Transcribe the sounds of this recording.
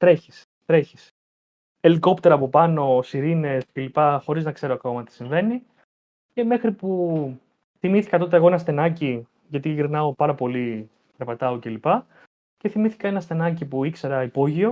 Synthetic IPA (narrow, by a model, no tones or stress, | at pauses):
t̪ɾe̞çi̥s | t̪ɾe̞çi̥s | e̞liko̞pt̪e̞ɾɐːpo̞pɐno̞siɾine̞sce̞lipɐxo̞ɾiznɐkse̞ɾoɐko̞mɐt̪i̥siɱve̞ni | ce̞me̞xɾipu | θimiθi̥kɐt̪o̞t̪̬eɣo̞enɐst̪e̞nɐci | ʝɐt̪iʝiɾnɐo̞pɐɾɐpo̞li | ɾɐpɐt̪ɐoce̞lipɐ | ce̞θimiθi̥kɐe̞nɐst̪e̞nɐcipuikse̞ɾɐipo̞ʝio̞